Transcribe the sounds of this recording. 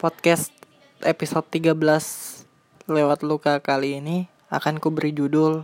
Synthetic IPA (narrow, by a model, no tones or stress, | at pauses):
pɔt̪̚kɛst̪ | episod̪̚iɡabəlas | lewat̪̚lukakaliːni | a̰kankubɾid͡ʒudʊl